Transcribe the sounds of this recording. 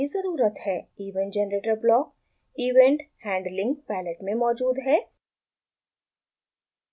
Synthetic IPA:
izɐɾuːɾət̪hɛːiːʋẽɳʈd͡ʒɛnɾeːʈəlblɔːk̚ | iːʋẽɳʈhɛ̃ːɳɖlɪ̃ŋɡpɛːnəʈmẽmɔːd͡ʒuːd̪ɦɛː

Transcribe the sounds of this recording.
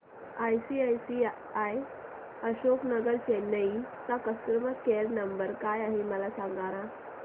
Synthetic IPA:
ajsiːajsi | aj | əɕoknəɡəɾt͡ɕenəit͡sakəsk̪ɾəməkeɾnəmbəɾkajaɦeməlasaŋɡaɾã

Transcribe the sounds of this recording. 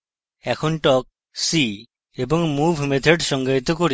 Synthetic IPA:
ɛkʰonʈɔk̚ | si | eboŋmubʱmet̪ʰeɖʃɔŋɡait̪okoɾi

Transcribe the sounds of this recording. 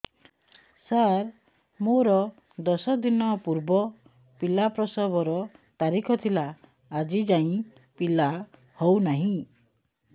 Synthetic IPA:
saɾ | moɾɔ | d̪ɔsɔd̪inɔpuɾbɔ | pilapɾɔsɔbɔɾɔt̪aɾikʰɔt̪ʰilaː | d͡ʒid͡ʒaĩ | pila | hownaɦĩ

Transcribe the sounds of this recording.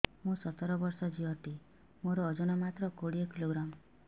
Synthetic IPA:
mũsɔt̪ɔɾɔbɔɾsɔd͡ʒiɔʈ̪i | moɾɔːd͡ʒɔnɔmat̪ɾɔkoɽiɔkiloɡɾam

